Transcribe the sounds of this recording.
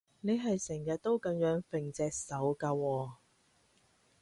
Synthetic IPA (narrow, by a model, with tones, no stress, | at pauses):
ne˨˧jɦɐ˨jsɛ˨˩ŋjɐ˨t̚t̪o˥wkɐ˨˥ŋjœː˨˥ŋfɪ˨ŋt͡sɛː˨k̚sɐ˨˥wkaː˧wɔː˧